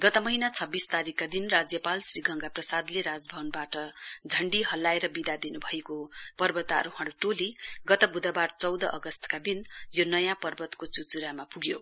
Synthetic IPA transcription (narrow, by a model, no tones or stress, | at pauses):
ɡʌt̪ʌmʌɦinat͡sʰʌbːist̪aɾikːad̪inrad͡zjʌpalsriɡʱʌŋɡaprʌsad̪leɾad͡zbʱʌbʌnbaʈʌd͡zʱʌɳɖiɦʌlːaeɾʌbid̪ad̪inubʱʌekopʌrbʌt̪a̰ɾuhʌɽuʈoliɡʌt̪ʌbud̪ʌbart͡sʌwd̪ʌʔʌɡʌst̪ʌ̥kad̪injonʌjãpʌrbʌt̪kot͡sut͡suɾamapuɡjo